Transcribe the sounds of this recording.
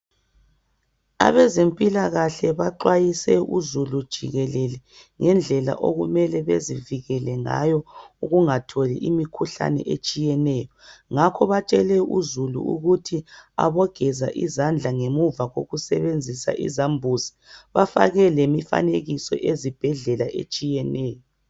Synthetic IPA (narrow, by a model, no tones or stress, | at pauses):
a̰βɛzempʼilaɣaɬɛβaǃwajisɛʔuzulud̥ʒ̥ʱiɣɛlɛlɛ | ŋɛnd͡ɮʱɛla̰ʔoɣumɛlɛβeziviɣɛlɛŋa̰jɔuɣuŋatʰɔlḭʔimikʰuɬa̰nɛ̰ʔet͡ʃʼijɛnɛjɔŋakʰɔβat͡ʃʼɛlɛṵzulṵṵɣutʰia̰βɔɡ̥ʱɛzaʔizand͡ɮʱaŋemuvaɣo̰ɣusɛβend͡zʱisa̰ʔḭzambʱuzi̥ | βafa̰ɣɛlemifa̰neɣisɔ̰ʔezib̥ʱɛɮɛlaʔḛt͡ʃʼijɛnɛːjɔ